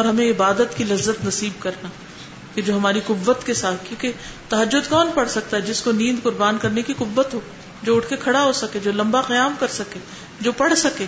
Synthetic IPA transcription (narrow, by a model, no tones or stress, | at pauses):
ɔːɾɦɐmẽɪbaːd̪ət̪kilɐzːət̪nɐsiːb̚kɐɾna | ked͡ʒoːɦɐmaːɾiqʊbːət̪kesaːt̪̚ʰkjũːke | t̪ɐɦɐd͡ʒːʊd̪kɔːnpɐɽ̤sɐk̚t̪aɦɛd͡ʒɪskonĩːnd̪qʊɾbaːnkɐɾnekiqʊbːət̪ɦoː | d͡ʒoːʊʈʰkekʰɐɽaɦosɐked͡ʒoːlɐ̃mbaqɐjaːmkɐɾsɐkeː | d͡ʒoːpɐɽ̤sɐkeː